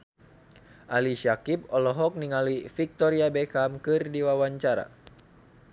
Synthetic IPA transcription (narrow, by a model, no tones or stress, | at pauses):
ʔaliʃakipɔlɔɦɔk̚niŋalifik̚t̪ɔɾiabɛkamkɨrdiwawaɲt͡ʃaɾa̰